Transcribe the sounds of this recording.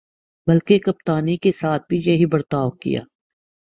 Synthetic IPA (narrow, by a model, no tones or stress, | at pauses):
bɐlkekɐp̚t̪aːnikesaːt̪̚ʰbʱijɐɦibɐɾt̪aːʋkḭja̰ː